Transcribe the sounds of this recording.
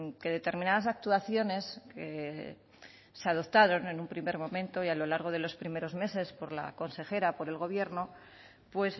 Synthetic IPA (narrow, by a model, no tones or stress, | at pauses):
ke̞ðe̞t̪e̞ɾmĩnaðas̬ak̚t̪uaθjo̞ne̞ske | seaðo̞pt̪aɾo̞ne̞numpɾime̞ɾmõ̞mẽnt̪o̞ialo̞laɾɣ̞o̞ð̞e̞lo̞spɾime̞ɾo̞zme̞se̞spo̞ɾla̰ko̞nse̞xe̞ɾapo̞ɾe̞lɣ̞o̞β̞je̞ɾno̞ | pwe̞s